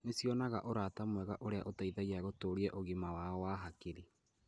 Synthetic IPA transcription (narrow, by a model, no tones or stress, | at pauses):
nesjɔnaɣaʔoɾatamwɛɣaʔoɾeaʔotaiðaiaɣotoːɾiɛʔoɣimawaɔwaɦakeɾe